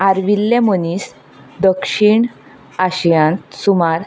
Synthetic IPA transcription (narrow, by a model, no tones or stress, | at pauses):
aɾʋilːẽmənis | d̪əkʂiɳ | aɕijãnt̪sumaɾ